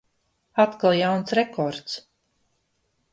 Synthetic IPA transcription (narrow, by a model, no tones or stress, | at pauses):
at̪kalˠjawnt̪sɾɛkʰɔɾt̪s